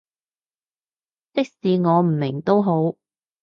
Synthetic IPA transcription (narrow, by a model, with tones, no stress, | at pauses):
t͡sɪ˥k̚siː˨ŋɔː˨˧m̩˨˩mɪ˨˩ŋt̪o˥wɦo˨˥w